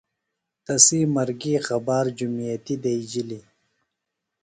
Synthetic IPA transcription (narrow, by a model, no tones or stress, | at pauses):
t̪ɐsimɐɾɡixɐbaːɾd͡ʑumijat̪id̪ajd͡ʑili